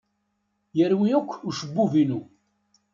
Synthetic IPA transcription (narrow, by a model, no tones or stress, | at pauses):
jəɾwijækʷːuʃəbːuvinu